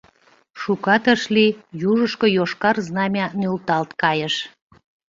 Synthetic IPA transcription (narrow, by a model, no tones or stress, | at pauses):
ʃukɑt̪əʃlijuʒəʃkojoʃkɑrznɑmʲɑnølt̪ɑlt̪kɑjəʃ